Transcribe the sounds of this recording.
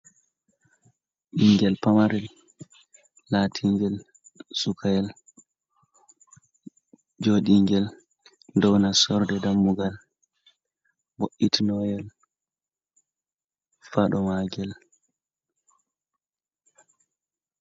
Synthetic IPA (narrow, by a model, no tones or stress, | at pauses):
ʔiŋɡɛlpamaɾɛl | atʰiŋɡɛl | sukʰajɛl | d͡ʒoːɗiŋɡɛl | ndɔwnasɔɾdɛdamːuɡal | woʔitinɔjɛl | faɗɔmaɡɛl